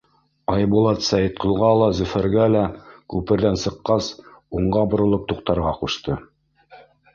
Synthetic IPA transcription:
ɑjbulˠɑt̪sæjɘt̪̚qɤ̆lˠʁɑlˠɑzɵ̆fæɾɡælækʉpɘ̆ɾðænsɤ̆qːɑsuɴɢɑbŏɾŏlˠɤp̚t̪uqt̪ɑɾʁɑquʃt̪ɤ

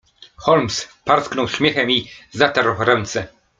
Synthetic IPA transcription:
xɔlmspaɾsknɔwɕmʲjɛxɛmizat̪aɾwɾɛnt̪sɛ

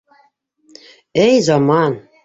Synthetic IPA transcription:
ejzɑmɑn

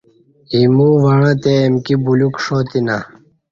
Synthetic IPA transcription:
imuːʋɐɻãːt̪eːmkibulukʂoːt̪ina

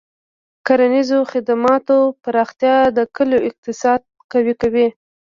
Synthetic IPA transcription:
kaɾanizoxɪd̪amɑt̪opaɾɑxt̪jɑd̪əkəloʔɪq̚t̪ɪsɑd̪̚kawikawi

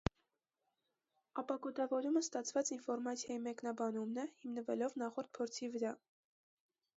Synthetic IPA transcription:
ɑpɑɡɔt̪ɑvɔɾuməst̪ɑt͡sʰvɑt͡sinfɔɾmɑt͡sʰjɑjimɛknɑbɑnumnɛhimnəvɛlɔvnɑχɔɾt̪̚pʰɔɾt͡sʰivəɾɑ

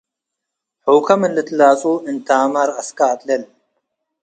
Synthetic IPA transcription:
ħoːkɐmɪnlɪt̪laːt͡sʼuːint̪aːmɐɾɐskaːt̪lel

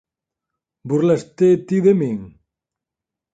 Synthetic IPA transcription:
burlast̪et̪iðemeŋ

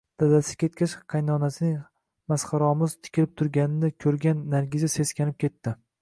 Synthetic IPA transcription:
d̪̥ad̪asɪ̥kʲʰe̞t̪̚kʲaʃqʰɑjnɒnasɪnɪŋ | masqɑɾɒmɪzt̪ʰɪ̥kʲʰɪlɪp̚t̪ʰʊɾɡʲanɪnɪkʲʰɵɾɡʲanːaɾɡʲɪzɪse̞skʲanɪp̚kʲʰe̞t̪ʰːɪ

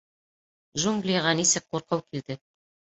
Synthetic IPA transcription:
ʒuŋɡlʲijaʁɑnisɘk̚quɾqɑwkild̪ɘ

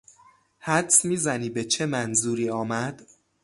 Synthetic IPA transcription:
hæd̪smiːzæniːbe̞t͡ʃʰe̞mænzuːɾiːɒːmæd̪̥

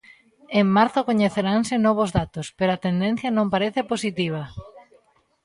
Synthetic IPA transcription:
eŋmaɾθʊkoɲeθeɾaŋsɪnɔβ̞ʊzðat̪ospeɾoɐt̪end̪en̟θjɐnõmpaɾeθeposit̪iβ̞ɐ

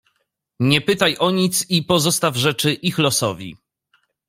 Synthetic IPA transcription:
ɲɛpɘt̪ajʔɔɲit̪sipɔzɔst̪avʐɛt͡ʂɘʔixlɔsɔvʲḭ

